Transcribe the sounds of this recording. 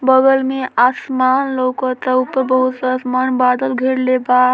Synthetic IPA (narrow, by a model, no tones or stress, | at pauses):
bəɡəlmeasmanlowkət̪əupəɾbəɦut̪sasmanbad̪əlɡʱeɽleba